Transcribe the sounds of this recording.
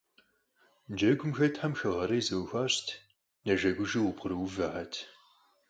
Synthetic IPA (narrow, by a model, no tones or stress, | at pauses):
nd͡ʒɐɡʷʊmxɐtʰħamxɐʁɐɾɐjzɐwxʷaːɕtʰ | nɐʒɐɡʷʊʒiwʊpʰʊɾɨwvɐħɐtʰ